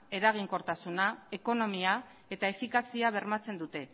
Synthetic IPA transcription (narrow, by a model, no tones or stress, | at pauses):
e̞ɾaɣ̞iŋko̞ɾt̪asunaeko̞no̞mia | e̞t̪ae̞fikasiaβ̞e̞ɾmat͡se̞nd̪ut̪e̞